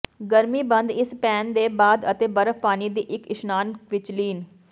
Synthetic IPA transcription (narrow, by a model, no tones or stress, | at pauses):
ɡəɾmiːbənd̪ɪspɛːnd̪eːbaːd̪ət̪eːbəɾəpaːniːd̪iːʔɪkɪʃnaːnʋɪt͡ʃliːn